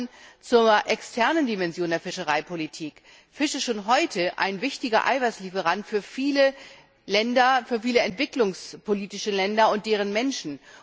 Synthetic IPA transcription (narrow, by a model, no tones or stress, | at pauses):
nt͡suːɐʔɛkstʰɛɐnəndimɛnzjoːndeːɐfɪʃəʁ̞aɪpʰolitʰiːk | fɪʃəʃoːnɦɔʏtʰəʔa̰ɪnvɪçtɪɡɐ̰ʔa̰ɪvaɪslifəʁ̞antfyːɐfiːlə | lɛndɐfyːɐfiːləɛntv̥ɪklʊŋspʰoliːtɪʃəlɛndɐʊnt̚d̥eːʁ̞ənmɛnʃn̩